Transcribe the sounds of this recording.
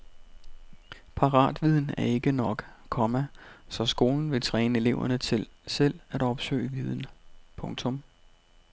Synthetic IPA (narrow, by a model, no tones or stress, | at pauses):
pʰɑ̈ʁɑ̰̈ːd̥ʋið̞ˠn̩æɐe̝ɡ̥ənɒ̽ɡ̥kʰɒ̽mæsɒ̽sɡ̥o̝ːln̩ʋe̝t͡sʰʁɛːnəe̝le̝ʊɐnət͡sʰe̝lsel̰æɾ̥ɒ̽b̥sø̰ːɪʋið̞ˠn̩pʰɔ̽ŋt͡sʰɔ̽m